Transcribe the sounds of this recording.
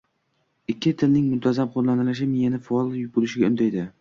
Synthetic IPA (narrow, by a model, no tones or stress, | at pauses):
ɪkʲʰːɪt̪ʰɪlnɪŋmʊnt̪ʰazamχoɾlanɪlɪʃ̬ɪmɪjanɪfaɒlˠjʊbolɪʃɪɡʲaʊ̰nd̪ajd̪ɪ